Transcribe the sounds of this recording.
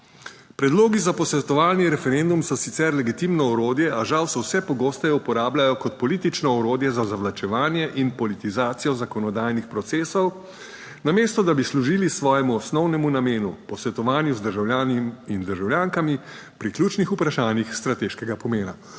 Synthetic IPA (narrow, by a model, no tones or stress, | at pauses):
pɾɛd̪loːɡizapɔsʋɛt̪ɔʋaːlniɾɛfɛɾend̪umsɔsit̪sɛɾlɛɡit̪imnɔɔɾoːd̪jɛʔaʒawsɛwsɛpɔɡoːst̪ɛjupɔɾaːblʲajɔkɔt̪pɔliːt̪it͡ʃnɔɔɾoːd̪jɛzazaʋlat͡ʃɛʋaːnjɛʔinpɔlit̪izaːt̪sijɔzakɔnɔd̪aːjnixpɾɔt̪seːsɔw | nameːst̪ɔd̪abisluʒiːlisʋɔːjɛmuɔsnɔwnɛmunameːnupɔsʋɛt̪ɔʋaːnjuzd̪əɾʒawlʲjaːnimind̪əɾʒawljaːŋkami | pɾiklʲjuːt͡ʃnixupɾaʃaːnjixst̪ɾat̪eːʃkɛɡapɔmeːna